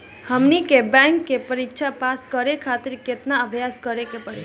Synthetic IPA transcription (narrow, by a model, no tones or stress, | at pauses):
həmnikebɛ̃ŋkːepəɾikt͡ʃʰapaskəɾekʰat̪iɾket̪naəbʱjaskəɾekepəɽḭ